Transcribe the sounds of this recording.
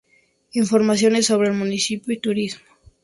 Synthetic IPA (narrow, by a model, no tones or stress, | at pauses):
iɱfo̞ɾmasjo̞nesːo̞βɾeːlmũnisipjoit̪uɾizmo̥